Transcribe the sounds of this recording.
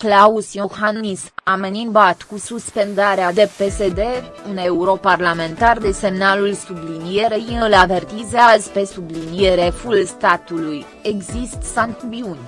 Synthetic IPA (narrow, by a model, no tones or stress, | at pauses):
klausjohannisamenimbat̪kususpe̞nd̪aɾead̪epe̞sed̪e | une̞uɾo̞parlame̞nt̪ard̪e̞se̞mnalulsublinijeɾejiɨlave̞rt̪izeazpe̞sublinjeɾe̞fulst̪at̪uluj | e̞ɡzist̪sant̪viunʲ